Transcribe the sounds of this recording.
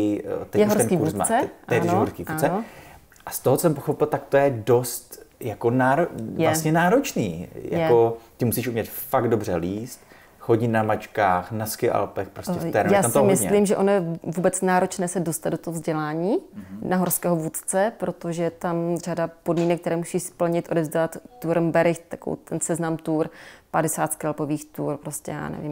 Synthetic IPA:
t̪ɛjɛɦoɾt̪ɛnkiːvuɾusma̰t͡sɛt̪ɛnɦoɾskiːvuat͡sɛ | ʔast̪oɦt͡sosɛmpoxopɪlt̪akt̪o̞jɛdo̞st̪jakonaːɾojvlasɲɛnaːɾot͡ʃnḭːjaj̰ɛkot̪ɪmusiʃʔumɲɛt̪faɡ̚d̚o̞br̝ɛliːst̪ | xoɟinamat͡ʃkaːxnaskɪʔa̰lpɛxpɾosɛɛft̪ɛɾnjaːsamt̪oɪmɪsɛlimʒɛʔo̞nojɛvuːbɛt͡snaːɾo̞t͡ʃnɛːsɛdost̪ad̪dot̪oɦozɟɛlaːɲiːnaɦoɾskɛːɦovut̪t͡sɛpɾo̞t̪o̞ʒɛt̪amr̝adapo̞dmiːnɛk̚t̪ɛɾɛːmusispl̩ɲɪt̪ʔo̞dɛvzɟɛlat̪ːuɾɛmbɛɾɪxt̪ḁko̰t̪ɛnsɛznamt̪uːɾpadɛsaːt̪kɛlpoviːxt̪uːɾpɾoscɛ̰ja̰ːnɛ̰vɪm

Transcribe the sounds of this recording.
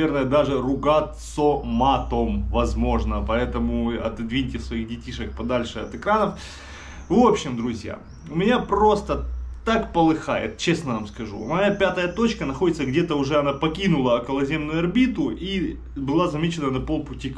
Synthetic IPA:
ernəjəd̪aʐɨrʊɡat̪somat̪omvɐzmo̞ʐnəpɐɛt̪əmʊɐ̰t̪ɨd̪vʲinʲtʲɪsvɐixdʲɪtʲiʂɨk̚pɐd̪alʲʂɨɐ̰t̪ɨkɾanəf | vo̞pɕːɪmd̪ɾʊzʲja̰ | ʊmʲɪnʲapro̞st̪ət̪akpəlˠɨxajɪ̰t̪t͡ɕe̞snəvamskɐʐṵʊ̰mʲɐjapʲat̪əjət̪o̞t͡ɕkənɐxodʲɪt̪səɡdʲe̞t̪əʊʐɛɐnapɐkʲinʊlˠəɐkəlˠɐzʲe̞mnʊjʊɐrbʲit̪ʊi | bɨlˠazɐmʲet͡ɕɪnənɐpo̞lˠpʊtʲik

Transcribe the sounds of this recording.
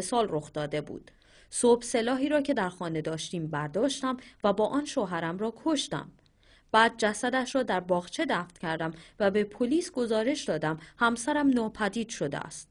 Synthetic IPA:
sɒːlro̞xd̪ɒːd̪e̞bṵːd̪̥ | sobse̞lɒːɦiːɾɒːcʰe̞d̪æɾxɒːne̞d̪ɒːʃt̪iːmbæɾd̪ɒːʃt̪æmvæbɒːʔɒːnʃoːɦæɾæmɾɒːkʰoʃt̪æ̰m | b̥æːd̪̚d͡ʒæsæd̪æʃɾɒːd̪æɾbɒːɣt͡ʃʰe̞d̪æːft̪cʰæɾd̪æmvæbe̞pʰoliːsɡo̞zɒːɾe̞ʃd̪ɒːd̪æmhæmsæɾæmnɒːpʰæd̪iːd̪̥ʃo̞d̪ḛæ̰st̪

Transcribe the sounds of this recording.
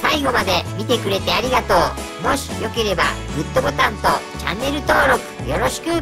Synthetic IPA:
saiɡo̞mad̪e̞mʲit̪e̞kɯ̟ɾe̞t̪e̞aɾʲiɡat̪o̞ː | mo̞ɕi̥jo̞ke̞ɾe̞ba̰ɡɯ̟t̪ːo̞ɡot̪ãnt̪o̞ | t͡ɕa̰nːe̞ɾɯ̟t̪o̞ːɾo̞kɯ̟̥jo̞ɾo̞ɕi̥kɯ̟

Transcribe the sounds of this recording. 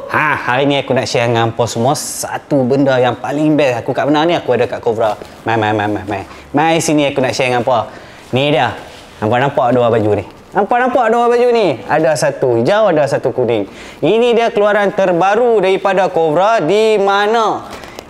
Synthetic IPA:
hahaɾiniakunaʔʃiaŋampɔsəmasa̰t̪ubəndajaŋpaliŋbɛsakukaʔbənaniakuadakaʔkovɾa | mamajmajmamaj | mãjsiniakunaʔʃaŋampa | nidia | nampanampaʔaduabad͡ʒuni | nampanampaʔaduabad͡ʒuniadasat̪uid͡ʒawadasat̪ukuniŋ | inidiakəluaɾant̪ərbaɾudaɾipadakovɾadimana

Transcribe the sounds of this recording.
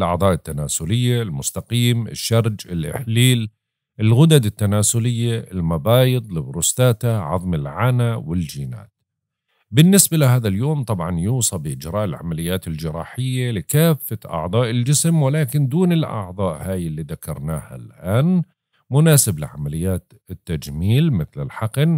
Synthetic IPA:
lʔɑ̰ʕd̪ˤɑːʔɪt̪ːanaːsʊlɪjːalmʊst̪aqiːmɪ̰ʃːɑɾˤd͡ʒɪlʔɪ̰ħliːl | ʔɪlɣʊd̪ad̪ɪt̪ːanaːsʊlɪjːaɪlmabɑːjɨd̪ˤlɪbɾʊst̪aːt̪aʕɑ̰ðˤmɪlʕanawɪld͡ʒiːna̰ːt̪ | bɪnːɪsbalɪɦaːðaljoːmt̪ˤɑbʕɑnjuːsˤɑbɪʔɪd͡ʒɾˤɑːʔɪlʕa̰malɪjːaːt̪ɪld͡ʒɪɾˤɑ̰ːħɪjːalɪkaːfːaʔɑ̰ʕd̪ˤɑːʔɪld͡ʒɪsmwɪlaːkɪnd̪uːnɪlʔɑ̰ʕðˤɑːʔhaːjɪlːiːðakɑɾˤnaːha̰lʔaːn | mʊnaːsɪblɪʕa̰malɪjːaːt̪ | ɪt̪ːad͡ʒmiːlmɪθlɪ̰lħɑqn

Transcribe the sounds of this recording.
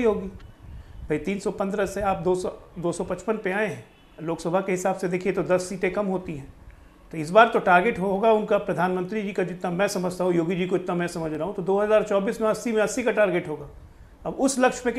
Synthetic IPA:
iɦoːɡiːbʱɐit̪iːnsɔpɐ̃nd̪ɾəseaːp̚d̪oːd̪oːsɔpɐt͡ʃpənpeaːẽɦɛ̃ | loːksɐbʱakeɦɪsaːbsed̪eːkʰiet̪od̪ɐsːiːʈẽkɐmɦoːt̪iɦɛ̃ː | t̪oɪs̬baːɾt̪oʈaːɾɡeːʈɦoːɡaʊnkapɾɐd̪ʱaːnmə̃nt̪ɾid͡ʒiːkad͡ʒɪt̪namɛ̃ːsɐməd͡ʒʱt̪aːɦũjoːɡid͡ʒiːkoɪt̪namɛ̃sɐməd͡ʒʱɾaɦũt̪od̪oːɦɐzaːɾt͡ʃɔːbiːsmẽɐsːimẽɐsːikaʈaːɾɡeʈɦoːɡaː | ɐbʊslɐkʃpẽk

